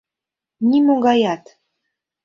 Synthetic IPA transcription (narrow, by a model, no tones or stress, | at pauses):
nʲimoɡɑjɑt̪